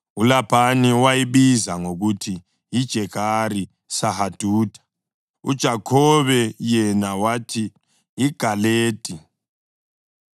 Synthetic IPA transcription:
ulab̥ʱaniwajiβizaŋoɣutʰiː | d̥ʒ̥ʱɛɣʰʱari | sahad̥ʱuːdʰʱʼḁ | ṵd̥ʒ̥ʱakʰɔβɛjɛnawatʰiː | ɡ̥ʱaleːd̥ʱʼi

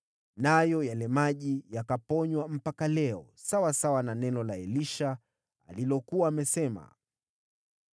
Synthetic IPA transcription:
najɔjalɛmaʄijakapɔɲwam̩pakalɛɔsawasawananɛnɔlaɛliʃa | a̰lilɔkuaːmɛsɛma̰

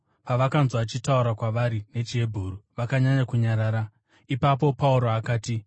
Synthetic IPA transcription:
paʋakanzoat͡ʃitauɾakwaʋaɾine̞t͡ʃie̞bʱuːruʋakaɲaɲakuɲaɾaːɾa | ipap̬o̞pauɾoakaːti

